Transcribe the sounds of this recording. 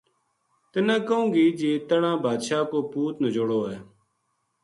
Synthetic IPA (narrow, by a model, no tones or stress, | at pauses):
t̪ɪnãːkəũːɡiːd͡ʒeːt̪əɳãːbʱaːd̪ʃaːkoːpuːt̪nəd͡ʒoɽoːɦɛː